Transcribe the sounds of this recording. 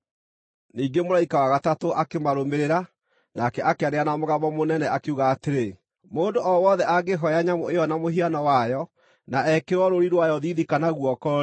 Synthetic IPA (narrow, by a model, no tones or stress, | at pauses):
niːɡemoɾaikawaɣatatoʔakemaɾomeɾeɾa | nakɛʔakeaɾeanamoɣamɔmonɛnɛʔakeuɣaːteɾe | moːndoɔwɔðɛʔaɡeɦɔjaɲamoejɔnamoɦianɔwajɔ | naɛkeɾwɔɾoɾiɾwajɔðiðikanaɣwɔkɔ